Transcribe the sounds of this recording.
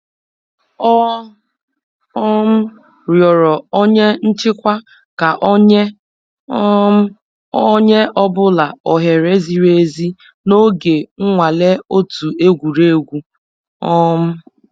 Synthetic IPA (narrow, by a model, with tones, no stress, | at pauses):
ɔ˦ | ɔ˦m̩˦ | ɾjɔ˨ɾɔ˨ɔ˦ɲe˦n̩˦t͡ʃɪ˦kʷa˦ | ka˨ʔɲe˦ | ɔ˦ɲe˦ʔɔ˦bʊ˦la˨ɔ˨ɦe˨ɾe˦zi˦ɾe˦zi˦ | no˦ɡe˨ŋ̩˦ŋʷa˨le˦o˦tu˨e˦ɡʷu˨ɾe˦˨ɡʷu˦ | ɔ˦m̩˦